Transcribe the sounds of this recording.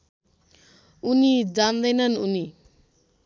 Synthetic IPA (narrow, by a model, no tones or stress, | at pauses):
unid͡ʒand̪ajnanuni